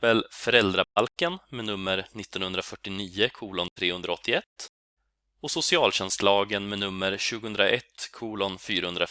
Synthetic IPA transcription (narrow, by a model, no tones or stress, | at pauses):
əlfœɾɛld̪ɾabalkənmɛnɵmːəɾnɪt̪ːɔnhɵnd̪ɾafœʈːɪniːəkʰuːlɔnt̪ʰɾeːhɵnd̪ɾaɔt̪ʰːɪɛt̪ː | ɔsʊsɪɑːlɕɛnst̪lɑːɡənmɛnɵmːəɾɕʉ̟ːɡəhɵnd̪ɾaʔɛt̪ːkʰuːlɔnfyːɾahɵnd̪ɾa